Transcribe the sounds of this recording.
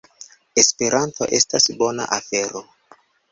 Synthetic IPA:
e̞spe̞ɾʔanto̞̰ʔe̞stasbo̞na̰ʔafe̞ɾo

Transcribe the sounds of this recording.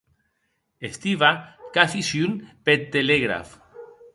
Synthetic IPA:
est̪iβakaθisjunpet̪ːeleɣɾa̰f

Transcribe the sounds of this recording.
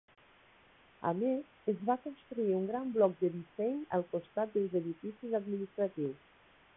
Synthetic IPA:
a̰mezezβakonst̪ɾuiuŋɡɾamblɔk̚d̪əðisɛɲə̰lˠkost̪at̪̚d̪əlˠzeðifisizad̪minist̪ɾat̪iws

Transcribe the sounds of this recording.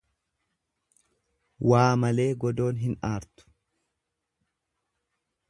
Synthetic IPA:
waːmɐle̞ːɡɔd̪o̞ːnɦɪnaːɾt̪ʊ̥

